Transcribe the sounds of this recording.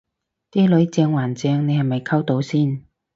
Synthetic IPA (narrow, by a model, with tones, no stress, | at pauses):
t̪iː˥lɵ˨˥ɥt͡sɛː˧ŋwaː˨˩nt͡sɛː˧ŋne˨˧jhɐ˨˩jmɐ˨jkʰɐ˥wt̪o˨˥wsiː˥˩n